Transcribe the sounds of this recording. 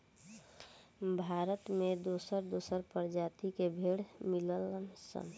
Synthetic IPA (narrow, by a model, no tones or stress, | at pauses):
bʱaɾət̪med̪osəɾd̪osəɾpəɾd͡ʒat̪ikebʱeɽmilələnsə̰n